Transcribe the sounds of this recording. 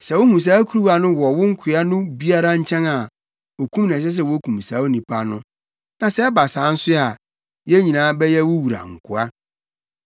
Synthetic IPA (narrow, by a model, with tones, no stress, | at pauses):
sɛ˨wʊ˦hũ˨s̬aː˦kʰu˦ɾu˦wa˨nʊ̃˦wɔ˨wʊ̃˦ŋ̩˦kʰɪ˨a˦nʊ̃˦bi˦a˦ɾa˦ɲ̩˦t͡ɕʰɛ̃˦na˨ | o˨kʰũ˦mñ˨s̬ɛ˦s̬ɛ˨wɔ˦kʰũ˨m˨saː˨˦o˦nĩ˨pʰa˦nʊ̃˦ | nã˨sɛ˦ɛ˦ba˨sãː˨˦n̩˦sʊ˦a˨ | jɛ˦ɲĩ˨nãː˨˦bɛ˦jɛ˦wʊ˦wu˨ɾa̰˨ŋ̩˨kʰʊ˨a˦